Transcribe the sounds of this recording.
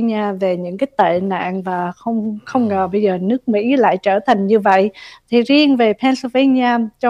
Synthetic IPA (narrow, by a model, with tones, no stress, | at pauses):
ɲaː˧ve˨˩ɲɨ̰˧˥ŋkaː˨˦jt̪ḛ˧˨na̰ː˧˨nvaː˨˩xə˧wŋ͡mxə˧wŋ͡mŋəː˨˩ɓə˧jzəː˨˩nɨ˦˥ək̚mḭ˧˥la̰ː˧˨jt͡ɕəː˧˩t̪ʰa˨˩jŋ̟ɲɨ˧və̰˧˨jʔt̪ʰi˨˩zi˧əŋve˨˩pʰɛ˧nsi˧ve˧nɲaː˧t͡ɕɔ˧